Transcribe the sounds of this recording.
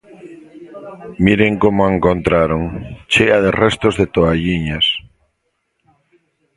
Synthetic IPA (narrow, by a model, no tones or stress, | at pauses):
miɾeŋkomoeŋkont̪ɾaɾoŋt͡ʃeaðerɛst̪ozðet̪oaʎiɲas